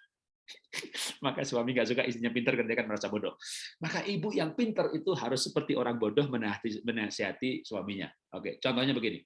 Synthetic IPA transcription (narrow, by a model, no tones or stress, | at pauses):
makaswamiŋɡaʔsuɡaʔist̪iɲapint̪ərkəndiakanməɾasabodɔhmakaʔibujaŋpint̪ərit̪uɦaɾʊsːəpərt̪iʔoɾaŋbodɔhmənaɦat̪imənaasiɦat̪iswamiɲa̰ | ʔokḛt͡ʃɔnt̪ɔhɲabəɡinḭ